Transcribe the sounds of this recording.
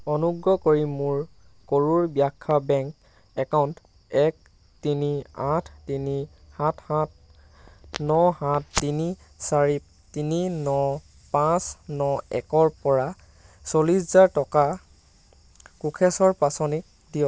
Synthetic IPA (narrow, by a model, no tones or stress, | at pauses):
ɔnuɡɹɔkoɹimʊɹ | koɹuɹbijakʰːabɛŋk | ɛkawnt | ɛk̚ | tiniãtʰtini | hãtʰhãt̚ | nɔhãtːini | saɹi | tininɔ | pãsnɔɛ̰kɔɹpɔɹa | soliszaɹtɔka | kukʰɛsɔɹpasɔnik̚ | dijɔ